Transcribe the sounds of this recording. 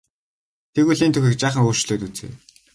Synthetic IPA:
t̪ʰeɣuɮiːnt̪ʰɵxʲɘ̆k̚t͡ɕaːχə̆ŋoːrʃɮoːt̪ut͡sḛː

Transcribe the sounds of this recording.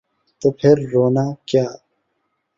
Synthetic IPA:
t̪əpʰeɾːoːnakjaː

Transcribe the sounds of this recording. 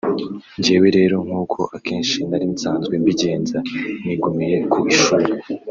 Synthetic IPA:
ɲɟeːweɾe̞ːɾo̞ŋ̥huːkʰo̞ʔakʰe̞ːnʃinaɾiːnsaːnzɡwembiɟe̞ːnzaniɡumije̞kuʔiʃuɾu

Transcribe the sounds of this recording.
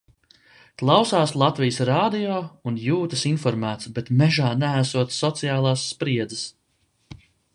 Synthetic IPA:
klˠawsaːslˠat̪vijəsɾaːd̪ijɔːunjuːt̪ɐsinfɔɾmæːt̪sbɛt̪mɛʒaːnæːsuɔt̪ssɔt̪sijaːlˠaːsːpɾiɛd̪zəs

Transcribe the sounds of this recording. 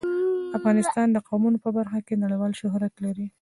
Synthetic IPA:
afɣɑnɪst̪ɑnd̪əqawmunopəbaɾxakenaɽəjwɑlʃʊɦɾat̪laɾi

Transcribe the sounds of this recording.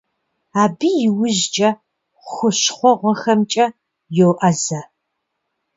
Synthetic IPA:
aːbiːjɪwʊʑd͡ʒʼɐ | xʷʊɕχʷɔʁʷɔxɐmt͡ʃʼɐ | jowʔɐzɐ

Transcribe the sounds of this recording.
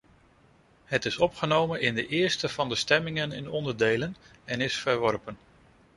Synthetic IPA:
ɦətɪsɔpχənowmənɪndəʔɪːɹstəv̥ɑndəstɛmɪŋənɪ̰nɔndəɹdejlən | ɛnɪsfəɹʋɔɹpən

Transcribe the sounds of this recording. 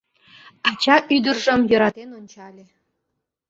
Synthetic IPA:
ɑt͡ɕɑʔyd̪ə̆rʐɤ̆mjɤ̆ɾɑt̪nlʲ

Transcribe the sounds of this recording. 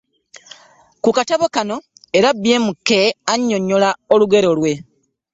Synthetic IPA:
kukataβo̞kano̞ | eɾabːje̞ːmukːeaɲːo̞ɲːolao̞luɡe̞ɾo̞lwe̞

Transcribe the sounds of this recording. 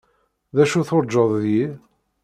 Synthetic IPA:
ðæʃuθoɾˤd͡ʒːɑðˤðji

